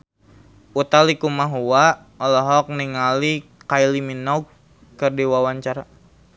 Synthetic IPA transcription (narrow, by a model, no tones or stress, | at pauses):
ut̪alikumaɦuwa | ɔlɔɦɔk̚niŋalikajliminɔɡ | kərdiwawaɲt͡ʃaɾa